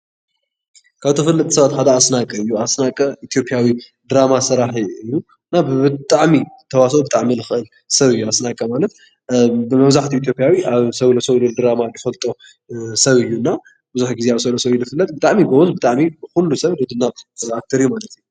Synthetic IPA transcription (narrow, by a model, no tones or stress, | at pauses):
kʰaβt̪ʰɨfɨlːɐt̪ʼi̥sɐβat̪kad̪aasnakʼɐɨjːuasnakʼɐʔit̪ʰjo̞pʼjawi | d̪ɨɾamasɨɾaħiɨjːu | naβɨt̪ʼaʕmiɨt̪ʰɐwas̬ɐubɨt̪ʼaʕmilɨxɨʔɨl | sɐβɨjːuasnakʼɐmalɐt̪ | bɨmɐβzaħt̪ʰiiːt̪̬ʰjo̞pʼjawiʔaβsɐβlosɐβlold̪ɾamajɨfɐlt̪ʼo | sɐβɨjːunːa | bɨzuħɡizeaβsɐβlosɐβilɨfɨlːɐt̪̚bɨt̪ʼaʕmibɐwɔzbɨt̪ʼaʕmibɨxulːusɐβlod̪ɨnːaβak̚t̪ʰɐɾɨjumalɐt̪ʰɨju